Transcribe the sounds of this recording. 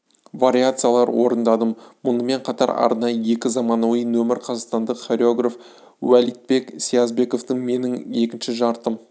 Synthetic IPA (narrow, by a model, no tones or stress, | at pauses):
vaɾʲiat̪sɨjalˠɑɾwo̞ɾənd̪ɑd̪əmmʊnəme̞ɴqʰɑt̪ɑɾɑ̰ɾnɑjəje̞kʲɪzɑmɑnuəjnɵmɪɾqʰɑzɑqst̪ɑnd̪əqχoɾʲoɡraf | wælijt̪̚be̞ksʲiazbe̞ko̞ft̪əɴme̞nɪŋe̞kʲɪnʃɪʒɑɾt̪əm